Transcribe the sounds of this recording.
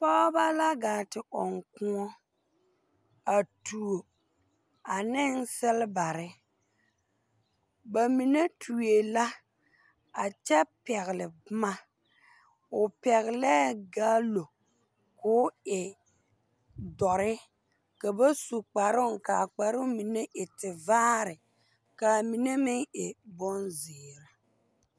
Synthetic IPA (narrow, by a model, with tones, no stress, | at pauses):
pa˦ba˦la˦ɡaː˨tɪ˨ʔɔ˨ŋkũ˦ɔ˦ | a˨tu˨o˨ | a˨nɪ˦n˦sɪ˦lba˨ɾɪ˦ | ba˨mi˨ne˦tʰu˨e˨la˦ | a˨t͡ʃɛ˦pɛ˨ɣɪ˨lɪ˨bma˦ | ʊ˨pɛ˨ɣɪ˨lɛː˦ɡaː˦lo˨ | kʊː˦ɪ˨ | dɔ˨ɾɪ˦ | ka˨ba˦su˨k͡pa˨ɾʊ˦ŋka˨k͡pa˨ɾʊ˦mi˨ne˦ʔɪ˨tɪ˨vaː˦ɾɪ˨ | ka˨mi˨ne˦mɪ˦ŋɪ˨bɔ˦nzɪː˨ɾa˨